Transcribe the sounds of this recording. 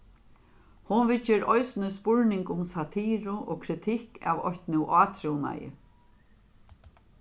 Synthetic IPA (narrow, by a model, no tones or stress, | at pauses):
hʊnvɪt͡ʃːɪɾɔjsnɪspʊɹnɪŋkʊmsat̪ʰiːɾʊʔɔːkʰɾɪt̪ʰɪhka̰vɔçt̪nuʔaːt̪ʰɾɛwna̰jɪ̰